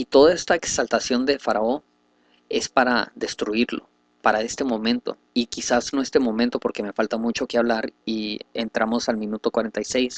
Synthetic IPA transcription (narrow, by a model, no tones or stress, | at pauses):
it̪o̞ðae̞st̪aeksalt̪asjo̞nd̪e̞faɾao̞ | e̞spaɾa̰ðe̞st̪ɾuiɾlo̞̰ | paɾae̞st̪e̞mõ̞mẽ̞nt̪o̞̰ | ikisasnoest̪emõ̞ment̪o̞po̞ɾke̞me̞falt̪amut͡ʃo̞keaβ̞laɾiḛnt̪ɾamo̞salmĩnut̪o̞kwaɾe̞nt̪ajse̞js